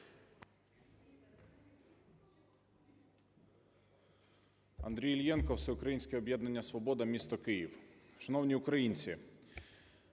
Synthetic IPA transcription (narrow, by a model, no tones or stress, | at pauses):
ɐ̰nd̪ɾʲijlʲjɛnkɔwsɛʊkɾɐjinʲsʲkʲɛɔbʲjɛd̪nɐnʲːɐsʋɔbɔd̪ɐmʲist̪ɔkɪjiwʃɐnɔwnʲiʊkɾɐjinʲt͡sʲi